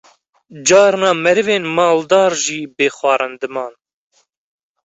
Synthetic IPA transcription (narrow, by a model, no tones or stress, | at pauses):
d͡ʒɑːɾnɑːmɛɾɨveːnmɑːld̪ɑːɾʒiːbeːxwɑːɾɑnd̪ɨmɑːn